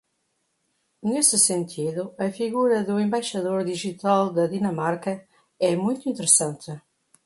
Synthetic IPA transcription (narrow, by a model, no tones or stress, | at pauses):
nesɪsent̪ʰiðʊɐfiɣuɾɐðuẽmbajʃɐðoɾd̪iʒit̪alˠd̪ɐðinɐmaɾkɐ | ɛmũjt̪ʊuĩnt̪ɨɾɨsãnt̪ɪ